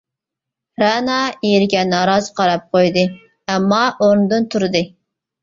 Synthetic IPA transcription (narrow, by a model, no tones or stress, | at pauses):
ɾɑnɑiɾɪɡʲɛnɑɾɑzɨqʰɑɾɑp̚qʰojd̪ɨ | ɛmːɑʔoɾnɨd̪ɨnt̪ʰuɾɨd̪ɨ